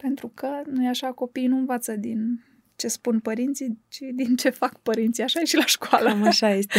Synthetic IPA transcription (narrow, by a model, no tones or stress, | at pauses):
pe̞nt̪ɾukənujaʃako̞pijnuɨnvat̪səd̪in | t͡ʃe̞spunpəɾint̪sit͡ʃid̪int͡ʃe̞fakpəɾint̪siaʃaeʃilaʃkwaləmaʃajest̪e